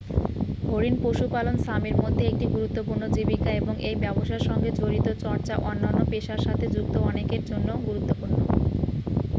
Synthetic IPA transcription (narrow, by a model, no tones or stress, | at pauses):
ɦoɾinpoʃupalonsamiɾmod̪ʱːeek̚ʈiɡuɾut̪ːopuɾnod͡ʑibikaeboŋʔejbɛboʃaeɾʃɔŋɡed͡ʑoɾit̪ot͡ɕɔɾt͡ɕaʔɔnːanːopeʃaɾʃat̪ʰed͡ʑuk̚t̪oɔnekeɾd͡ʑonːooɡuɾut̪ːopuɾno